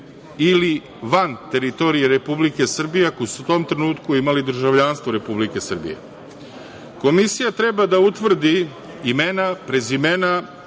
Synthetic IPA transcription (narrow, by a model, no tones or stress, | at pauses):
ili | ʋant̪e̞ɾit̪o̞ɾijeɾe̞publike̞sr̩bijekojsut̪o̞ːmt̪ɾe̞nuːt̪kuimalid̪r̩ʒaʋʎanst̪vʋoɾe̞publike̞sr̩bḭjḛ | ko̞misijat̪ɾe̞bad̪aut̪ʋr̩d̪i | imenapɾe̞zime̞na